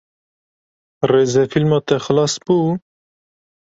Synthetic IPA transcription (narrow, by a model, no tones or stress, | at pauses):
reːzɛfilmɑːt̪ɛxɨlɑːsb̥uː